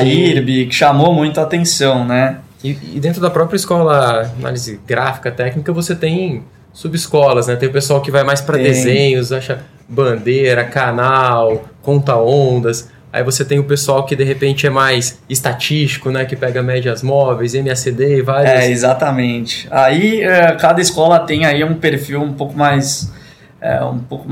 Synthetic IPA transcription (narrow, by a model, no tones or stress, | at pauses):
aiɾbikʃamomũj̃t̪ʊat̪ẽsɐ̃w̃nɛ | ɪ̰ːd̪ẽnt̪ɾʊd̪ɐpɾɔpɾijɐiskɔlɐana̰lizɪɡɾa̰fi̥kɐt̪ɛknikɐvoset̪ẽj̃ | subɪskɔlɐsnɛt̪ẽj̃ʊpesuawkɪvajmajspɾɐd̪ezẽɲʊzaʃɐ | bɐ̃d̪eɾɐkanawkõnt̪ɐõnd̪ɐs | a̰ivoset̪ẽj̃ʊpesuawkɪd̪eɦepẽnt͡ʃɪɛmajsɪst̪at͡ʃist͡ʃi̥kʊnɛkɪpɛɡɐmɛd͡ʒɐzmɔvejsẽmɪased̪eɪvaɾjɛsezat̪ɐmẽt͡ʃɪ̥aiɛkad̪ɐɪskɔlɐt̪ẽj̃aiũpeɾfiwũpowkʊmajs | ɛ̰ṵ̃powkʊ